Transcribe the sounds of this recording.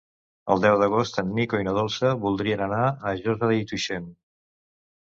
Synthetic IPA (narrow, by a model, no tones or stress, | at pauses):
ə̰lˠd̪ɛwðəɣ̞ost̪ənːikoinəðolˠsəβulˠd̪ɾiənənaəʒɔzəðəit̪uʃen